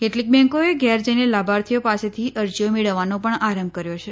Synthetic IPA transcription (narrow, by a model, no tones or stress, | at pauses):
keʈlik̚bɛ̃ŋkoeɡjɛɾd͡ʒəjnelabʱaɾt̪ʰijopaset̪ʰiəɾd͡ʒjomeɭəʋːanopəɳaɾəmb̚kəɾjot͡ʃʰe